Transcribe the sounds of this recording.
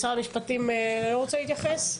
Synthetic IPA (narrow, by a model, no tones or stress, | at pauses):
saʁmiʃpat̪imloʁot͡sɛlit̪jaχes